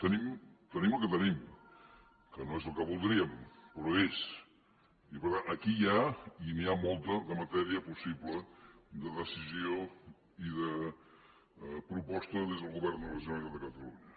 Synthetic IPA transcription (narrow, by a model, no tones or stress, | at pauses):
t̪ənimt̪əniməlˠkət̪ənim | kənoezəlˠkəβulˠd̪ɾiəmpəɾɔes | ipəɾt̪anəkijainiamolˠt̪əðəmət̪ɛɾiəpusiβləd̪əðəsizio | iðə | pɾupɔst̪əðezðəlˠɣuβɛɾnələʒuanikəðəkət̪əlṵɲə